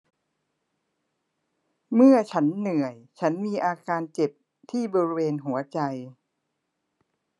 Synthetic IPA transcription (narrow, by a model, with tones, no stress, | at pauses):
mɯ˥˩ɐt͡ɕʰa˦˥nːɯ˨˩əjt͡ɕʰa˦˥nmiː˧ʔaː˧kaː˧nt͡ɕe˨˩p̚ | t̪ʰiː˥˩bɔː˧ɾi˦˥weː˧nɦu˩˦ɐt͡ɕa˧j